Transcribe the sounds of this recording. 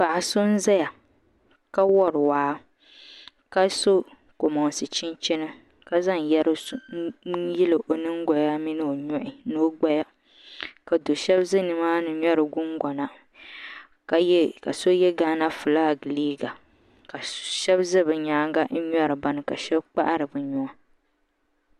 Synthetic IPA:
pa˨ʔa˨sʊ˦n̩˦za˦ja˨ | ka˦wɔ˦ɾɨ˨waː˨˦ | ka˦so˦ | ko˨mɔ˨ŋ˨sɨ˨t͡ʃi˦n˦t͡ʃɪ˦nɨ˦ | ka˦za˦ŋ˨jɛ˦ɾ | ji˦lɨ˨ʔo˨nɨ˦ŋ˦ɡɔ˨ja˦mi˦nɨ˦o˨ɲʊ˦ʔɪ˨no˦ɡ͡ba˦ja˦ | ka˨do˨ʃɛ˦bzɨ˦nɨ˨maː˦nɨ˨ɲɔ˦ɾɨ˨ɡʊ˦ŋɡɔ˨na˨˦ | ka˨so˦jɛ˦ɡaː˦na˦fɨ˨laː˦˨ɡɨ˨liː˦ɡa˨ | ka˨ʃɛ˦bzɨ˦bɨ˨ɲaː˦ŋ˦ɡa˦ɲɔ˦ɾɨ˨ba˨nɨ˨ka˨ʃɛ˦bk͡pa̰˦ʔa˦ɾɨ˨bɨ˨ɲʊ˨a˦

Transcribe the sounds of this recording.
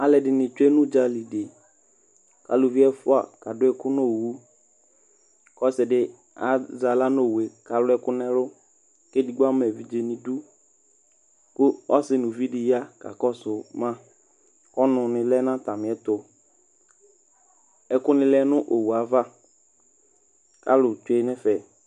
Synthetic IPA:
a˨lɛ˨dɪ˨nɪ̃˨t͡ʃɛ˦nʊ̃˦d͡ʒa˨li˨de˨ | ka̰˨lʊ˨vi˦ɛ˦fʊ˦a̰˨ka˨dʊ˦ɛ˦kʊ˦nõ˦˨wu˦ | kɔ˦sɪ˨dɪ˦ | a˨za˨la˦no˦˨we˨ka˨lʊ˦ɛ˦kʊ˦nɛ̃˦lʊ˦ | ke˦di˨ɡ͡ba˦mɛ˨vi˨d͡ʒe˨nɪ̃˨du˦ | kʊ˦ɔ˦sɪ˦nʊ̃˨vi˦dɪ˨ja˦ka̰˨kɔ˦sʊ˨mã˦ | kɔ˦nʊ̃˨nɪ̃˨lɛ˦nã˦t̪a˨mɪ̃˨ɛ˨t̪ʊ˨ | ɛ˨kʊ˦nɪ̃˦lɛ˦nʊ̃˦ʔo˨wu˨a˨va˦ | ka˦lʊ˨t͡ʃʊ˦ɛ˦˨ɲɛ̃˦fɛ˨

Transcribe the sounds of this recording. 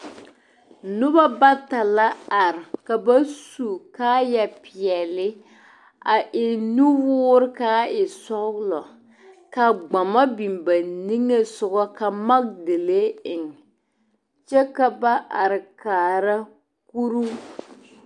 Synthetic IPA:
nʊ˦ba˦ba˦ta˨la˦a˨ɾɪ˨ka˨ba˦su˨kaː˦ja˨pɪ˨ɛ˨lɪ˦ | a˨ʔɪ˨nu˦wʊː˦ɾɪ˦kaː˦ɪ˨sɔ˦ɡlɔ˨ | ka˨ɡ͡ba˨ma˦bi˨mba˨ni˦ŋe˦sʊ˨ɡɔ˦ka˨ma˦k̚de˨le˦ɪ˨ŋ | t͡ʃɛ˦ka˨ba˦ʔa˨ɾɪ˨kaː˨ɾa˦ | ku˦ɾu˦

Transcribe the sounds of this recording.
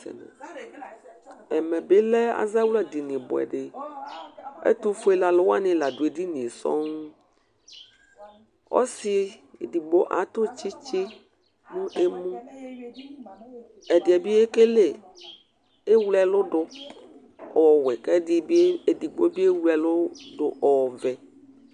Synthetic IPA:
ɛ̰˨na̰˨ | ɛ˨mɛ̃˨be˦lɛ˦a̰˨za˦wu˦la˨di˨nɪ̃˨bɔ̰˨ɛ̰˨ɖe˨ | ḛ˦t̪u˦fo˦e˦la˨lʊ˦wa˦nɪ̃˦la˨do˨e˨di˦nĩ˨e˨sɔ̰˦ŋ˦ | wɔ̰˦si˨di˨ɡ͡bo˦ʔa˨t̪o˦t͡ʃi˦t͡ʃɪ˦ | mũ˦ʔe˦mũ˦ | ɛ˨dɪ˨ɛ˨bi˦e˦ke˦le˨ | e˦wlɛ˨lʊ˦ɖʊ˦ | ɔ˨wɛ˨kɛ˦di˦e˨di˨ɡ͡bo˦bi˦e˦wɛ˨lʊ˦dʊ˨ʔɔ˨vɛ˨

